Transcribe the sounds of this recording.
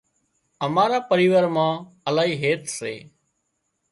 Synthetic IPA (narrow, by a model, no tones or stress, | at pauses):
əmaːɾaːpəɾiːʋəɾmãː | əlaːɦiːɦeːt̪sḛː